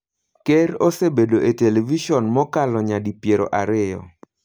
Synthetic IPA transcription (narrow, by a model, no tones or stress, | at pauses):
keɾosebedoʔeteleviʃɔnmɔkalɔɲadipjeɾo̰ʔaɾɪjɔ̰